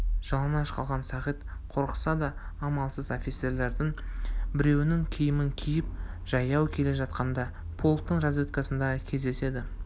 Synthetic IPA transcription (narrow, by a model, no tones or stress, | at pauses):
ʒ̥ɑlˠənɑʃqɑ̰lˠʁɑnsɑʁijt̪qʰo̞ɾqə̥sɑd̪ɑː | mɑlˠsəzo̞fʲit̪se̞ɾle̞ɾd̪ɪŋbɪɾe̞wɪnɪŋkʲʰijɪmɪŋkʲʰijɪp̚ | ʒ̥ɑjɑwkʲʰe̞le̞ʒɑt̪qɑnd̪ɑ | pʰo̞lˠt̪ːəɴrazvit̪̚kɑsənd̪ɑʁəkʲʰe̞zd̪e̞se̞d̪ɪ